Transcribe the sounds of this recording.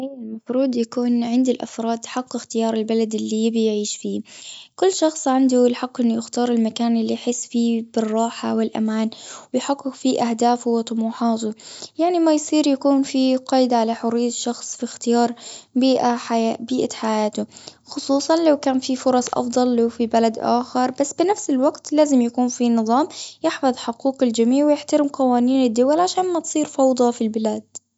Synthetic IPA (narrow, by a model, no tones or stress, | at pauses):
ʔajːɪlmafɾuːd̪jakuːnʕɪnd̪ɪlʔa̰fɾˤɑːd̪jħaqːɪxt̪ɪjɑːɾˤɪlbalad̪ɪlːijɪbijʕiːʃfiːkʊlːʃɑxsˤʕand̪ʊɪlħɑqːʔɪnːʊjɪxt̪ɑːɾˤɪlmakaːnʔɪlːijħɪsːfiːbɪrˤːɑːħawɪlʔa̰maːnwɪjħaqːʊkfiʔahd̪aːfʊwɪt̪ˤʊmuːħɑːt̪ʊjaʕnimajsˤiːɾjakuːnfiqɑːjd̪aʕalaħʊɾɪːʃɑxsˤfixt̪ɪjɑːɾˤbiːʔaħaabiːʔaħajaːt̪ʊ | xʊsˤuːsˤɑnlawkaːnfifʊɾˤɑsˤʔɑ̰fd̪ˤɑlːawfibalad̪ʔa̰ːxɪɾˤbasːbɪnafsɪlwaɡt̪laːzɪmjakuːnfinɨðˤɑːmjɪħfɑðˤħʊquːqɪld͡ʒamiːʕwɪjɪħt̪aɾɪmqɑwaːniːnɪd̪ːʊwalʕaʃaːnmat̪sˤiːɾfɑwd̪ˤɑfilbɪlaːd̪̥̚